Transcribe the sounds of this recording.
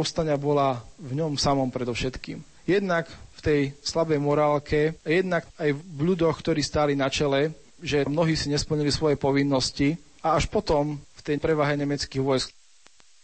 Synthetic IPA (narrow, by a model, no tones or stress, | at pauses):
ɔst̪aɲɪabɔlavɲɔmsamɔmpɾɛd̪ɔʊʃɛt̪kḭːm | jɛd̪nakft̪ɛjslabɛjmɔɾaːlkʰɛajɛd̪nakajʎud̪ɔxkt̪ɔɾiːst̪aːlinat͡ʃɛlɛ | ʒɛmnɔɦiːsiɲɛspl̩ɲilisʋɔjɛpɔʋinːɔsci | aaʃpɔt̪ɔmft̪ɛjpɾɛʋaɦɛɲɛmɛt͡skiːɣʋɔjsk